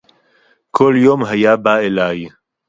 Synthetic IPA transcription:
kʰoljoːmɦajaːbaːelaːj

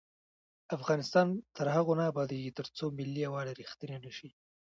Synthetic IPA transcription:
afɣɑnɪst̪ɑnt̪əɾhaɣonaːbɑd̪eɡit̪əɾt͡somɪlːiawɑɽeɾixt̪ənenəʃi

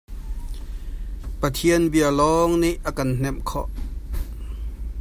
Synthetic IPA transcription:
pɐt̪ʰiənbiəlɔŋniʔʔakann̥ɛmkʰɔ̰ʔ

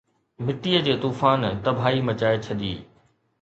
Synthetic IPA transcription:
mɪʈiːəd͡ʑeːt̪uːfaːnt̪ɐbʱaːimɐt͡ɕaːet͡ɕʰɐɗḭː

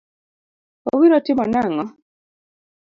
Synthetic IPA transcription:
o̰βiɾɔtimɔnaŋɔ

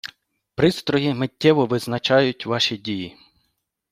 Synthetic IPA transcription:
pɾɪst̪ɾɔɦimɪtʲːɛʋɔʋɪznɐt͡ʃɑjʊtʲʋɑʃidʲiji

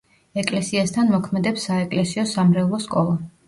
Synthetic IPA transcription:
ɛkʼlɛsiast̪ʰanmɔkʰmɛd̪ɛpsːaɛkʼlɛsiɔsamɾɛlˠɔskʼɔlˠa

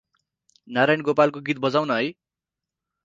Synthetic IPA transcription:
naɾajnɡopalkoɡit̪̚bʌd͡zawnʌɦʌj

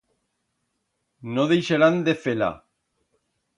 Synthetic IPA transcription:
noðejʃeɾand̪efela̰

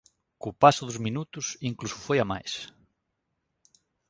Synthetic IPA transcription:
kʊpasʊðʊzminut̪ʊsiŋklusʊ̥fojama̰js

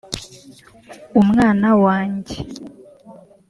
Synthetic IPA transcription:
umŋaːnawaːɲɟe

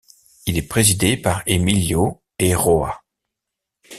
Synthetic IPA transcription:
ilɛpχezid̪epaʁemiljo | eʁoa̰

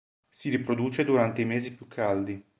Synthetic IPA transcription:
siɾipɾod̪uːt͡ʃed̪uɾant̪eimeːzipjukʰːald̪i

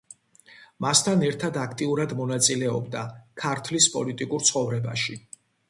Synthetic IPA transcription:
mast̪ʰanɛɾt̪ʰad̪akʰt̪ʼiuɾad̪mɔnat̪sʼilɛɔ̰bd̪akʰaɾt̪ʰlispʼɔ̰lit̪ʼikʼuɾt̪sʰχɔvɾɛba̰ʃi

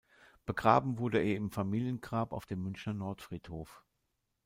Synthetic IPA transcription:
b̥əɡʁa̰ːbm̩vʊɐdəeːɐɪmfamiːljənɡʁaːpa̰ʊfd̥eːmːʏnçnɐnɔɐtfʁ̥iːthoːf

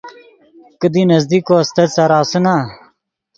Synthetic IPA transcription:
kəd̪inɐzd̪iːkoɐst̪ɐd̪sɐɾaːsuna

